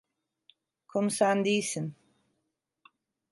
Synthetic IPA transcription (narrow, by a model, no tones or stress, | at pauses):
kʰɔmsaːnd̪iːsən